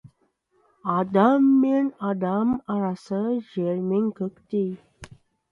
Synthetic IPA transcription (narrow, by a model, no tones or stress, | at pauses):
ad̪amːenad̪amaɾasəd͡ʑeɾmiŋkəkt̪i